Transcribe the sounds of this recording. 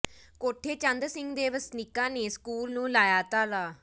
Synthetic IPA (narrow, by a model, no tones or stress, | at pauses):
koːʈʰeːt͡ʃənd̪ɾsɪŋɡd̪eːʋəsnɪkːãːneːskuːlnũːlaːjaːt̪aːlaː